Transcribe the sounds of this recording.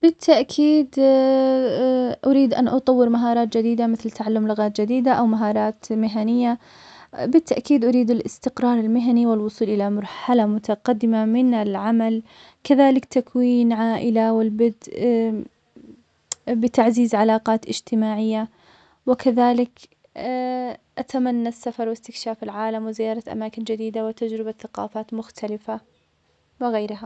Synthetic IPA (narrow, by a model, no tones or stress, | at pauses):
b̥ɪt̪ʰːaʔkʰiːd̪ | ʔʊɾiːd̪ʔa̰nʔɑt̪ˤɑwːɪɾmaɦɑːɾˤɑːt̪̚d͡ʒad̪iːd̪amɪθlt̪aʕalːʊmlʊɣɑːt̪d͡ʒad̪iːd̪aʔawmaɦɑːɾˤɑːt̪mɪɦanɪjːa | bɪt̪ːaʔkiːd̪ʔʊɾiːd̪ɪlʔɪst̪ɪqɾˤɑːɾˤɪlmɪɦaniwɪlwʊsˤuːlʔɪlamɑɾˤħalamʊt̪ʰaqad̪ːɪmamɪnɪlʕamal | kaðaːlɪkt̪akwiːnʕaːʔɪlawɪlbɪd̪ | bɪt̪aʕziːzʕalɑːqɑːt̪ʔɪd͡ʒt̪ɪmaːʕɪjːa | wɪkaðaːlɪk | ʔat̪amanːasːafɑɾˤwɪst̪ɪkʃaːfɪlʕaːlamwɪzɪjːɑːɾˤɑt̪ʔa̰maːkɪnd͡ʒad̪iːd̪awɪt̪ad͡ʒɾɪbaθaqɑ̰ːfaːt̪mʊxt̪ʰalɪfa | wɪɣajɾɦa